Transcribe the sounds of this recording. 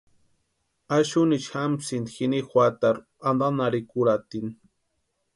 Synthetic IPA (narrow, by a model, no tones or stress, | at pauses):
aʃʊnit͡ʃxamsind̪xinixwʷat̪aɾ | and̪anaɾikuɾat̪in